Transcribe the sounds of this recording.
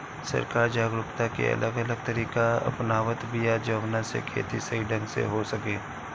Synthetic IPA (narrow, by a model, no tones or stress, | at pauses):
sɐ̰ɾkaːɾd͡ʒaːɡɾʊkt̪akḛɐ̰lʔəɡələɡ̚t̪ɐɾiːkaɐ̰pnaːʋət̪bijad͡ʒɐʋnasḛkʰḛːt̪isɐiɖə̃ŋɡsḛɦosɐkeː